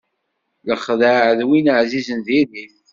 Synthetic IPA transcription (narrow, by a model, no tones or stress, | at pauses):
ləχðəʕəðwinəʕzizənðiðiθ